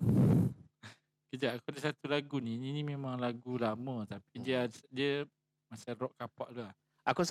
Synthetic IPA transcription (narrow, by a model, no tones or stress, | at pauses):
kəd͡ʒaʔakudəsat̪ulaɡunininimemaŋlaɡulamə̃t̪apidiədiə | masaɾɔʔkapaʔdua | akus